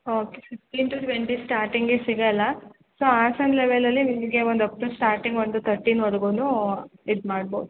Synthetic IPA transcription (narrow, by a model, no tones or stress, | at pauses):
oːkefiksʈiːnʈuːʈʋeɳʈisʈaːɾʈiŋɡesiɡɐlːɐ | soːaːsɐɳleʋelɐlːinimɡeʋond̪ɐpːɾusʈaːɾʈiŋɡond̪ut̪ʰɐɾʈiːnʋɔɾɐɡuːnuidmaːɽ̚bowd̪u